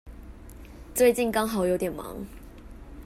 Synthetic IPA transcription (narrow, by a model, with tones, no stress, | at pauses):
t͡swe˥˧ɪt͡ɕi˥˨nkɑ˥ŋɦɑ˨˩ʊjo˧ʊt̪jɛ˨˩nmɑ̰˧˦ŋ